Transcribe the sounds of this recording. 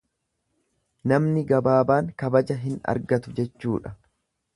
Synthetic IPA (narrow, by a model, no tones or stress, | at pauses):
nɐmnɪɡɐbaːbaːŋkɐbɐd͡ʒɐɦɪnɐ̰ɾɡɐt̪ʊd͡ʒɛt͡ʃːuːᶑɐ